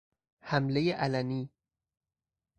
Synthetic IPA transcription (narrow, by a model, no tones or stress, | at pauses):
hæmlejeʔælæniː